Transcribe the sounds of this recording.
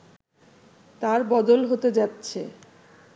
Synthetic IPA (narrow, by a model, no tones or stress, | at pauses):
t̪aɾbɔd̪olɦot̪ed͡ʑatːɕʰe